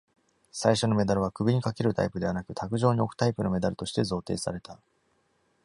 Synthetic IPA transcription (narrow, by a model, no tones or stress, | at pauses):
saiɕo̞no̞me̞d̪aɾɯ̟β̞akɯ̟bʲiɲ̟ikake̞ɾɯ̟t̪a̰ipɯ̟d̪e̞anakɯ̟t̪ʰakɯ̟ʑo̞ːɲ̟io̞kɯ̥t̪aipɯ̟no̞me̞d̪aɾɯ̟t̪o̞ɕi̥t̪e̞zo̞ːt̪e̞̰ːsa̰ɾe̞t̪a